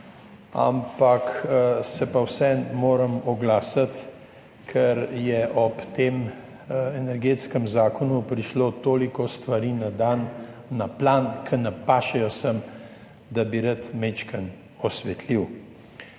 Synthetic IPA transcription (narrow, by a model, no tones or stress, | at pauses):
a̰mpaksɛpawsɛmoːɾəmɔɡlaːsat̪ | kʰɛɾjɛʔɔpt̪eːm | ɛnɛɾɡeːt̪skəmzaːkɔnupɾiʃloːt̪oːlikɔst̪ʋaɾiːnad̪anːaplankʰənapaːʃɛjɔsəm | d̪abiɾat̪met͡ʃkən | ɔsʋɛt̪liw